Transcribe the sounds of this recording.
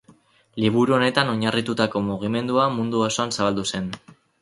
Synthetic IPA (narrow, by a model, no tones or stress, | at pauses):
liβ̞uɾuo̞ne̞t̪ano̞ɲarit̪ut̪ako̞muɣ̞ime̞nd̪uamund̪uaso̞ansaβald̪use̞n